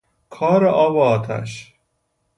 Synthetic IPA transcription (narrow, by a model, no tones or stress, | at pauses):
kʰɒːɾeʔɒːbɛɒːt̪ʰæ̰ʃ